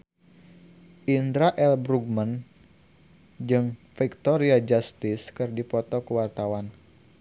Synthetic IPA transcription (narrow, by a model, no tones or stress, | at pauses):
ʔindɾaʔɛlbɾuɡ̚mən | d͡ʒɨŋfik̚t̪ɔɾiad͡ʒast̪ɪskɨrdipɔt̪ɔkəwart̪awan